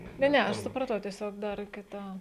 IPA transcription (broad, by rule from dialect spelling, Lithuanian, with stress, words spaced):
ˈnʲɛ ˈnʲɛ ˈɐʃ sʊprɐˈtɐʊ tʲiɛˈsʲoːk ˈdɐr kʲɪˈtɐ